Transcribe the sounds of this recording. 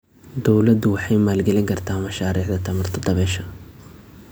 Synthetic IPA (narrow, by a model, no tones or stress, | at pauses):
d̪ɔwlɐd̪ʊwɑħɑjmaːlɡɛlɪŋkʰɐrt̪ʰaːmɐʃaːɾiːʕd̪ɐt̪ʰɐmɐrt̪ʰɐd̪ɐβɛːʃɐ